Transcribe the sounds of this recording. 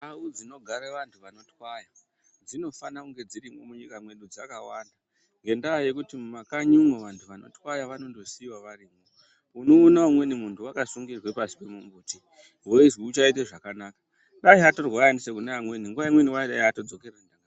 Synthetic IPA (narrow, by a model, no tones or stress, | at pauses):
aud͡zino̞ɡʱaɾeʋantʰuʋano̞twaja | d͡zino̞fanakuŋɡe̞d͡ziɾiŋɡomuɲikamwe̞nɗud͡zakawanda | ŋɡe̞ndaːje̞kutimumakaɲumoʋantʰuʋano̞̰twajaʋano̞ndo̞siwaʋariːmo | uno̞ːnaumwe̞nimuntʰuwakasuŋɡirwe̞pasi̥pe̞mumbuːti | we̞zwiut͡ʃaiteʐakanakḁ | ɗaiato̞rwajanisekunaamweniŋɡuʋaimwe̞niwaiɗaiɦato̞d͡zo̞kerandaŋɡa